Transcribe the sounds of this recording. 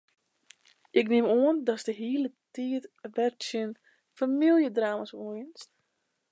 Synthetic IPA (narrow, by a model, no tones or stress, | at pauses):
ʔɪknɪmoəndɔsdəɦiːlətiːətʋɛrtsən | familˠjədraːmasoːɪnst